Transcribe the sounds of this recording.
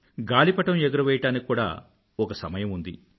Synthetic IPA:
ɡaːlipɐʈɐmeɡɐɾɐʋɛːjɐʈaːnikkːuːɽa̰ː | ɔkɐsɐmɐjɐmund̪ḭ

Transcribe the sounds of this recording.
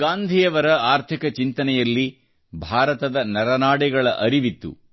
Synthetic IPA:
ɡaːnd̪ʱijɐʋɐɾɐaːɾt̪ʰikɐt͡ʃint̪ɐnɛjɐlːi | bʱaːɾɐt̪ɐd̪ɐnɐɾɐnaːɽɛɡɐɭɐʔɐɾiʋit̪ːṵ

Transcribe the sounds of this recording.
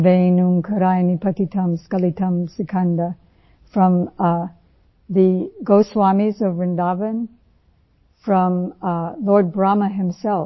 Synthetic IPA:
vẽnumkʰəɾajnipʰɐkitʰɐ̃mskɐlitʰɐ̃msɨkʰɐ̃ndə | fɹʌ̃m | ðɨɡoʊswamizʌvɹɨ̃ndavə̃n | fɹʌ̃mlɔɹd̚bɹaməɦɪ̃msɛlˠ

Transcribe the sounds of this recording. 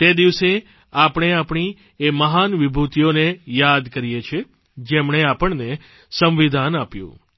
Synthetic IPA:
t̪ed̪iʋse | apəɳ̃eapɳ̃i | eməɦanʋibʱut̪ijonejad̪kəɾijet͡ʃʰe | d͡ʒemɳ̃eapəɳne | sə̃mʋid̪ʱanapjṵ̃

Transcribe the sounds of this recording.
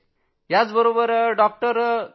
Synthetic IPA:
ɦjat͡sbəɾobəɾɖɔk̚ʈəɾ

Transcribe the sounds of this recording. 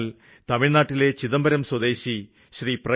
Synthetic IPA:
l | t̪ɐmiɻnaːʈːile̞t͡ɕiðɐmbɐɾɐmswɐd̪e̞ːɕi | ɕriprɐ

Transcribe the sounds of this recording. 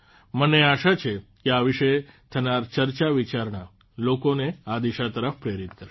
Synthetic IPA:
məneaʃat͡ʃʰekeaʋiʃet̪ʰənaɾt͡ʃəɾt͡ʃaʋit͡ʃaɾɳa | lokonead̪iʃat̪əɾəfpɾeɾit̪kəɾʃ

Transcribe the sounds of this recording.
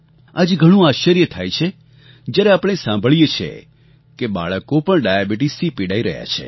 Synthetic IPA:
ad͡ʒɡʱəɽ̃ũaʃəɾjət̪ʰaːjt͡ʃʰe | d͡ʒjaɾeaːpɽ̃esãmbʱəɭijet͡ʃʰḛ | keɓa̰ɭəkopəɳɖajabiʈisipiɽaiɾə̰ɦja̰t͡ʃʰḛ

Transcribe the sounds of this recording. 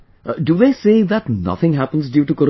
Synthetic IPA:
ɖuðeːseːðæʈnʌ̰t̪ʰɪ̃ŋɦæpə̃nzɖjuːʈukoɾ

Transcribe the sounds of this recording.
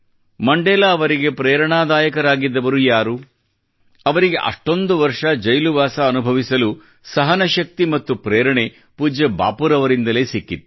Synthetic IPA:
mɐɳɖɛːlaːʋɐɾiɡe̞pɾɛːɾɐɳaːd̪aːjɐkɐɾaːɡid̪ːɐʋɐɾujaːɾu | ɐʋɐɾiɡe̞ʔɐ̰ʂʈo̞nd̪uʋɐɾʂɐd͡ʒɐjluʋaːsɐːnubʱɐʋisɐlu | sɐɦɐnɐʃɐk̚t̪imɐt̪ːupɾeːɾɐɳe | puːd͡ʒɐba̰ːpuːɾɐʋɐɾind̪ɐle̞ːsikːit̪ːu

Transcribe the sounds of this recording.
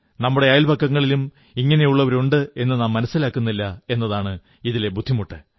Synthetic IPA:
nɐmːuɽe̞aːjilbɐkːɐŋːɐɭilum | iŋːɐnejuɭːɐʋɐɾuɳɖɨe̞nːɨnaːmːɐnɐsːilaːkːunːilːɐe̞nːɐðaːɳɨ | iðilebud̪ʱːimuʈːɨ

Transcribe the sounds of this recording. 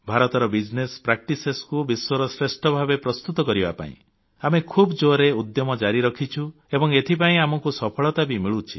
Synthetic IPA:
bʱaɾɔt̪ɔɾɔbid͡ʒnespɾak̚ʈiseskubiswɔɾɔsɾesʈɔbʱabepɾɔst̪ut̪ɔkɔɾiba̰pa̰ḭ̃ | amekʰubd͡ʒoɾeud̪jɔmɔd͡ʒaɾiɾɔkʰit͡ʃʰu | ebɔŋet̪ʰipaĩamɔŋkusɔpʰɔɭɔt̪abimiɭut͡ʃʰi̥

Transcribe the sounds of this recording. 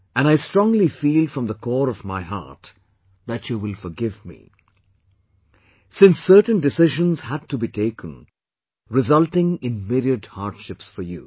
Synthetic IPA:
ʔɨ̃ñaɪstɹ̥ɔ̃ŋlifiːlfɹʌ̃mðəkʰɔːɾɔvmaɪɦa̰ɹt | ðæt͡ʃuwɪlfɔɡɪvmḭ | sɪ̃nsːɜ˞tn̩dɨsɪʒə̃nz̥hæd̚tubitʰeɪkʰn | ɹɪzʌlˠtɪ̃ŋɪ̃nmɪɾiədha̰ɹd̥ʃɪpsfɔ˞jṵ

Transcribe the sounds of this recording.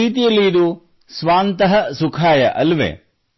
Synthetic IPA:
iːt̪ijɐlːiːd̪u | sʋaːnt̪ɐɦɐsukʰaːjɐ̰ʔɐlʋḛː

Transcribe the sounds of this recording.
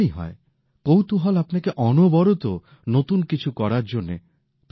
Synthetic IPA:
iɦɔ̰e | kowt̪uɦɔlapɔnakeʔɔnobɔɾot̪o | not̪unkit͡ʃʰukɔɾaɾd͡ʒonːḛ | p

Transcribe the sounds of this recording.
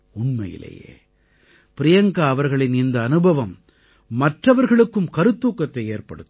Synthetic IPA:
ʊɳmɐjɪ̰lɐ̰jḛː | pɪɾɪjɐŋɡɐːʋɐɾɣɐɭɪnɪnd̪ɐːnɯbʱɐʋɐmː | ɐʈrɐʋɐɾɣɐɭɯkːɯmkɐɾɯt̪ːuːkːɐt̪ːɐɪeːɾpɐ̰ɽɯt̪ː

